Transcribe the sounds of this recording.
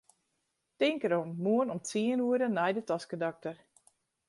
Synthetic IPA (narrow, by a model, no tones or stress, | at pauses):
tɪŋkəɾomːuənɔmtt͡siənuəɾənɛjdətɔskədak̚tər